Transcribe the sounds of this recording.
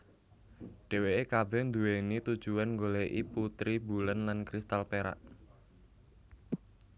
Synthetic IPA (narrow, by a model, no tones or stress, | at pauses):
ɖ̥e̤weekabɛhnd̪uwenit̪ud̥ʒ̥uanŋɡoleʔiput̪ɾibulənlankɾist̪alpeɾa̰ʔ